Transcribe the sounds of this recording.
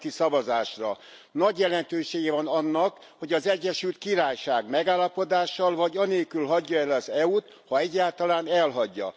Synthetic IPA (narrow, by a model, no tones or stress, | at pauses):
t̪isɒvɒzaːʃrɒ | nɒɟjɛlɛnt̪øːʃeːɡɛvɒnɒnːɒk | ho̞ɟɒzɛɟːɛʃylt̪̚kiɾaːjʃaːɡmɛɡaːlːɒpod̪aːʃːɒlvɒɟɒneːlkylɦɒɟːɒɛlɒzɛut̪ | hɒɛɟːaːlt̪ɒlaːnɛlɦɒɟːɒ̰